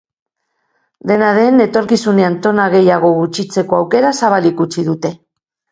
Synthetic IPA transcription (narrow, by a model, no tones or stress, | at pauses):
d̪e̞naðe̞ne̞t̪o̞ɾkisune̞ant̪o̞naɣe̞jaɣ̞o̞ɣut͡ʃit͡se̞ko̞awke̞ɾasaβ̞alikut͡ʃið̞ut̪e̞